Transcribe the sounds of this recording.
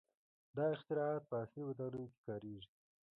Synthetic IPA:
d̪ɑɪxt̪ɪɾɑɑt̪̚pəasliwat̪ɑnujoke̥kɑːɾeʒi

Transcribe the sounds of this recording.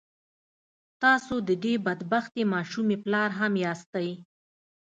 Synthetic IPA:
t̪ɑsod̪əɖebad̪baxt̪emɑʃumeplɑɾɦamjɑst̪aj

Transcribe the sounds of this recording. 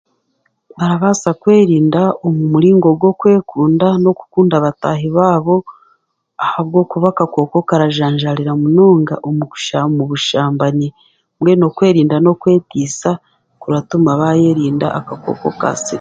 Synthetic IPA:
βaɾaβasakwe̞ːɾiːndaomumuɾiːŋɡo̞ɡo̞kwe̞ːkuːndano̞ku̥kuːndaβataɦiβaːβo̞ | ahaβɡo̞kuβakako̞ko̞kaɾaʒaːɲʒaɾiɾamunoːŋɡa̰ʔomuku̥ʃamuβuʃaːmbaɲi | mwe̞no̞kwe̞ːɾiːndano̞kwe̞ːtiːsa | kuɾatumaβaje̞ɾiːnda̰ʔakako̰ko̞̰ka̰siɾ

